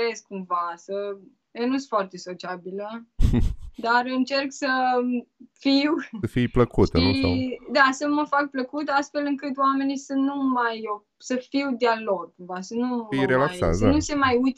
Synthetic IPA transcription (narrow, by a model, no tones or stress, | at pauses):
ɾesk̚kːumvasə | jenusɨfoart̪e̞sot͡ʃiabilə | d̪arɨnt͡ʃe̞rksə | fiwəfijpləkut̪əud̪asəməfak̚pləkut̪ast̪fe̞lɨŋkɨt̪wame̞nisənumajo | səfiwd̪ealoɡ̚kumvasənumijɾelaksa̰t̪əanuse̞majujt̪